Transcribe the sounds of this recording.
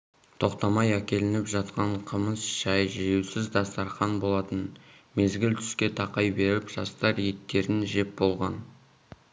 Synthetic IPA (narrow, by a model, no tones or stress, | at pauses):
t̪ʰo̞qt̪ɑmɑjækʲe̞lɪnɪpʒɑt̪̚qɑɴqʰəməsʒ̥ɑjʒijewsɪzd̪ɑst̪ɑɾχɑnbo̞lˠɑt̪ənme̞zɡʲɪlt̪ʰʏ̥skʲe̞t̪ʰɑqɑjbe̞ɾɪɪpʒ̥ɑst̪ɑɾje̞t̪ːe̞ɾɪnʒe̞p̚bo̞lˠʁɑn